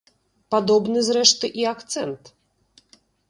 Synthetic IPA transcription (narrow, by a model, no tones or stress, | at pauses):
pad̪ɔbnɨzɾɛʂt̪ɨʔiakt̪sɛnt̪